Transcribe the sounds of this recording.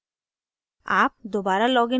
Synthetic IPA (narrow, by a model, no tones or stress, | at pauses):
a̰p̚d̪obaɾalɔɡe